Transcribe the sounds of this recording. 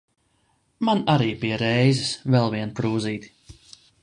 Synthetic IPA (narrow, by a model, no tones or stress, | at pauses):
manaɾiːpiɛɾɛjzɛsvɛlˠviɛnpɾuːziːt̪i̥